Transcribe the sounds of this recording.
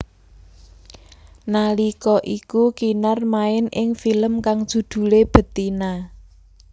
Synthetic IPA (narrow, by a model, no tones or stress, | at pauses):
nalikɔʔikukinarmaɪnʔɪŋfiləmkaŋd̥ʒ̥ṳd̪̥ṳleb̥ə̤t̪ina